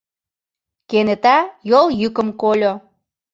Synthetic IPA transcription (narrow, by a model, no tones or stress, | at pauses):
kenet̪ɑjoljykə̆mkolʲo